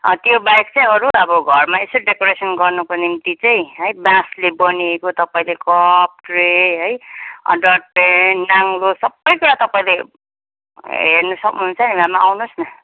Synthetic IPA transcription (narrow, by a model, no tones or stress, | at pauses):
ʌ̰t̪jobajk̚t͡sãĩʌɾuʌbʌɡʱʌrmaesoɖekoɾesʌnɡʌrnukonimt̪it͡saĩɦʌjbãslebʌniekot̪ʌpaĩlekʌp̚ʈreɦʌjʌ̰ɖʌʈ̚penːaŋlosʌbːʌjkuɾat̪ʌpaĩle | ɦernʌsʌknuɦunt͡sʰʌnimamaawnosnʌ